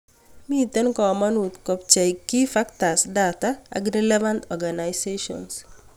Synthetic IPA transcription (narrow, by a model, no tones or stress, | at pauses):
mit̪enkɔmanut̪kɔp̚t͡ʃajkːifakt̪asdat̪aa̰ɡɾeleʋant̪ɔɾɡanajseʃɔ̰ns